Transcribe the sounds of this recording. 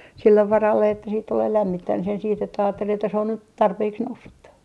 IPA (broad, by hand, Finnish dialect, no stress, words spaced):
silːeʋ ʋɑrɑlːe etːæ siːt tuleː læmːit tæn sen siːt etːæ ɑːtːel etːæ se on nyt tɑrpeːks nousːutːɑ